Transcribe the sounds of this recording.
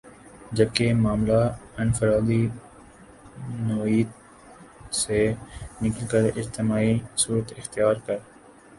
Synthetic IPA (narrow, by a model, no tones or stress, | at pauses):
d͡ʒɐb̚kemaːmlaɪ̃nfəɾaːd̪i | noːiːd̪ | senɪkəlkəɾɪd͡ʒt̪ɪmaːisuːɾət̪ɪxt̪ijaːɾkɐɾ